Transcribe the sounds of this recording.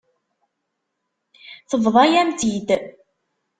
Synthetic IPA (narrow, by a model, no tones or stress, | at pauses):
θəvðˤɑjæmt̪id̪